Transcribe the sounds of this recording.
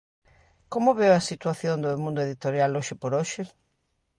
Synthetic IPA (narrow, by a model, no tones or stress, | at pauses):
komʊβewɐsit̪waθjond̪omũnd̪oeðit̪oɾjaloʃɪpoɾoʃɪ